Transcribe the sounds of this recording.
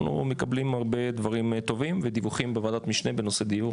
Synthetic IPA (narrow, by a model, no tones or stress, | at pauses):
nṵme̞kablimhaʁbe̞d̪vaʁimt̪o̞vimved̪ivuχimbevad̪at̪miʃne̞beno̞sed̪iju